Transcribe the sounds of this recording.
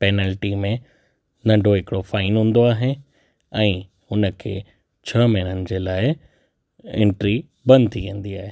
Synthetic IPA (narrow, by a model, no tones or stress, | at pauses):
peːnɛːlʈimẽ | nɐ̃ɳɖʱoɦɪkɪɽofaːɪnɦũːn̆d̪oaːɦe | ɛ̃ː | ɦʊnə̆kʰḛː | t͡ɕʰɐmɪɽ̃ənɪ̆d͡ʑeːlaːɪ | ɪ̰̃ɳʈɾi | bɐ̃nd̪t̪ʰiʋẽːn̆d̪iaːɦeː